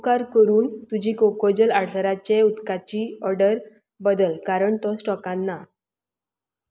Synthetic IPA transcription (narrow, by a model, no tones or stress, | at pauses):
kaɾkəɾuːnt̪ud͡ʑiːkokod͡ʑəlaɽsəɾat͡ɕeut̪kat͡ɕiːɔɾɖəɾ | bəd̪əlkaɾəɳt̪ɔ̃sʈɔkãnːa